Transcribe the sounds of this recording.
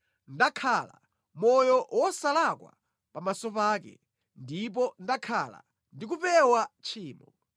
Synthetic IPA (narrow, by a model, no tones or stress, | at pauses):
ndakʰala̰ | mɔjɔwɔsalakwa̰ | pamasɔpaːkɛ̰ | ndip̬ɔndakʰala̰ | ndik̬upɛwat͡ʃʰiːmɔ